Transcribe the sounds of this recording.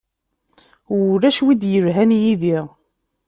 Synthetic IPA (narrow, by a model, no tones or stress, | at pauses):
ʊɾːæʃwid̪jəvɦænjiðiʁ